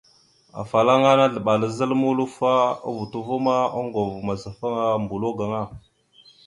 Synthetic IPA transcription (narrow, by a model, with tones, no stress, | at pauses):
a̰˨fa˨la˦ŋa˦na˦ɮə˨ɓa˨la˦zə˦lmu˦lu˦fa˦a̰˦vu˨tu˦vu˦ma˦a˦ŋɡo˨vma˨za˨fa˦ŋa˦mbu˨lo˦ɡa˨ŋa˦˨